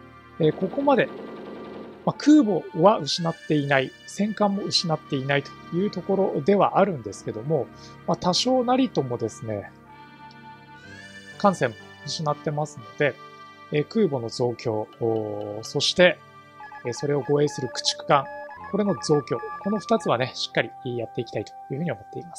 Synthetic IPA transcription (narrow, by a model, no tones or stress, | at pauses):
eko̞ko̞mad̪e̞ | makʰɯ̟ːbo̞βaɯ̟ɕinat̪ːe̞inaisẽ̞ŋkãmːo̞ɯ̟ɕinat̪ːe̞inait̪o̞̥jɯ̟ːt̪o̞ko̞ɾo̞d̪e̞βa̰ʔaɾɯ̟̃nd̪e̞sɨ̥ke̞d̪o̞mo̞ | mat̪aɕo̞ːnaɾʲit̪o̞mo̞d̪e̞sɨne̞ | kãɰ̃sẽ̞mːo̞ɯ̟ɕinat̪ːe̞masɨno̞d̪e̞ | kɯ̟ːbo̞no̞zo̞ːkʲo̞ː | so̞ɕi̥t̪e̞ | so̞ɾe̞o̞ɡo̞e̞ːsɨɾɯ̟kɯ̟̥t͡ɕi̥kɯ̟̥kãŋko̞ɾe̞no̞zo̞ːkʲo̞ːko̞no̞ɸɯ̥t̪at͡sɨβane̞ɕi̥kːaɾʲijat̪ːe̞ikʲit̪ait̪o̥jɯ̟ːɯ̟ɲio̞mo̞t̪ːe̞imasɨ̥